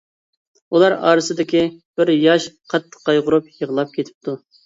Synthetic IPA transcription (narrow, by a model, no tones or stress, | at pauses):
ulˠɑɾɑ̰ːɾɨsɨd̪ɪkʲib̥ɪɾjɑʃqʰɑt̪ʰːə̥qːɑjʁʊɾupjəʁlˠɑp̚kʲʰet̪ʰɪ̥p̚t̪ʰu